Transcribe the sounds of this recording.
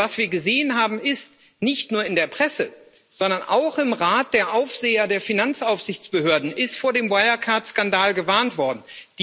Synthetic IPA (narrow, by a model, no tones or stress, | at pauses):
vasv̥iːɐɡəzeːənɦaːbm̩ɪst | nɪçtnuːɐɪndeːɐpʁ̥ɛsə | z̥ɔndɐnʔaʊχɪmʁaːt̚d̥eːɐʔaʊfz̥eːɐdeːɐfinant͡saʊfz̥ɪçt͡sb̥əhøːɐdn̩ʔɪstfoːɐdeːmwaɪakʰaɐtskandaːlɡəvaɐntv̥ɔɐdn̩d̥